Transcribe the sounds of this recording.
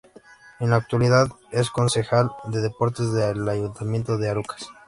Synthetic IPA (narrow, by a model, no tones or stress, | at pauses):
enlaːk̚t̪waliðað | e̞sko̞nse̞xald̪e̞ðe̞po̞ɾt̪e̞zðelaʝunt̪amje̞nt̪oðeaɾukḁs